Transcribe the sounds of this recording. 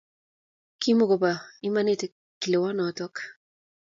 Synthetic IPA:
ki˦moɡo˨bai˦manete˨ | kːi˨le˨wa˦nɔt̪ɔ˦k

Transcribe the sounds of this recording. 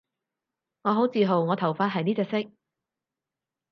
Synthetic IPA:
ŋɔː˨˧ɦo˨˥wt͡siː˨ɦo˨˩wŋɔː˨˧t̪ʰɐ˨˩wfaː˧˥t̚ɦɐ˨jniː˥t͡sɛː˧ksɪ˥k̚

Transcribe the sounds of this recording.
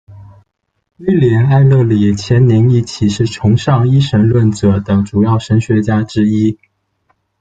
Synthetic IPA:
y˥ljɛ˧˥na˥˧ɪlɤ˥˩li˨˩t͡ɕʰjɛ˧˥nni˧˥ŋi˥˩t͡ɕʰi˨˩ʂɻ̩˥˩ʈ͡ʂʰʊ˧˥ŋʂɑ˥˧ŋi˥ʂə˧˥nlwə˥˩nt͡sɤ˨˧˩t̪ɤ˨˩ŋʈ͡ʂu˨˩jɑ˥˩ʊʂə˧˥nɕɥɛ˧˥t͡ɕja˥ʈ͡ʂɻ̩˥i˥

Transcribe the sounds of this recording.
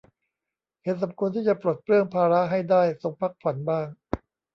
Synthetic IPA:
he˨˩˦nsa˩˦mkʰu˧nt̪ʰiː˥˩t͡ɕa˨˩pɾoː˨˩t̪̚pɾɯ˥˩əŋpʰaː˧ɾa˦˥ʔɦa˥˩jdaː˥˩jso˧ŋpʰa˦˥k̚pʰa˨˩˦nbaː˥˩ŋ

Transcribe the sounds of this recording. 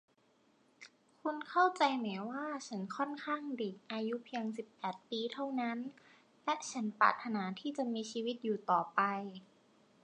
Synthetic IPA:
kʰu˧nkʰa˥˩wt͡ɕa˧jmɛː˩˦waː˥˩t͡ɕʰa˦˥nkʰɔ˥˩nkʰaː˥˩ŋdeː˨˩k̚ʔaː˧ju˦˥pʰi˧əŋsi˨˩pːɛː˨˩t̪̚piː˧t̪ʰa˥˩wna˦˥n | lɛ˦˥ʔt͡ɕʰa˦˥npa̰ː˨˩t̪ʰːa˧naː˩˦t̪ʰiː˥˩t͡ɕa˨˩miː˧t͡ɕiː˧wi˦˥t̪̚juː˨˩t̪ɔː˨˩pa˧j

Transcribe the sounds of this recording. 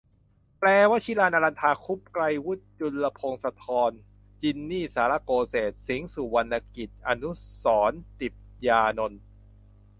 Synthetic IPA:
plɛː˧wa˦˥t͡ɕʰi˦˥laː˧nʔa˧la˧nt̪ʰaː˧kʰu˦˥p̚kla˧jwu˦˥t̪̚t͡ɕu˧lːa˧pʰo˧ŋsa˧t̪ʰɔː˧n | t͡ɕi˧nːiː˥˩saː˩˦la˦˧˥koː˧seː˨˩t̪̚si˩˦ŋsu˨˩wa˧nʔa˧ki˨˩t̪̚ʔa˧nu˦˥sɔː˩˦nt̪i˨˩p̚jaː˧no˧n

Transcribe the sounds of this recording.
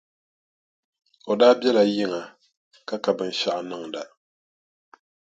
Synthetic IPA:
o˨daː˦bjɛ˦la˨jɪ˦ŋa˨ | ka˦ka˨bɨ˦n˦ʃa˦ʔa˨nɨ˦˨ŋ˨da˨

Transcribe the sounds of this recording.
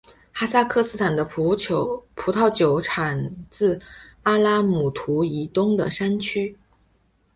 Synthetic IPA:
xa˥sa˥˧kʰɤ˥˧sɹ̩˥˩t̪ʰa˨˩nd̪ə˦ppʰu˧˥t̪ʰɑ˥˩ʊt͡ɕjo˧˥ʊʈ͡ʂʰa˨˩nt͡sɹ̩˥˩a˥la˥mu˨˩t̪ʰu˧˥i˧˥t̪ʊ˥ŋd̪ə̰˨ʂa˥nt͡ɕʰy˥

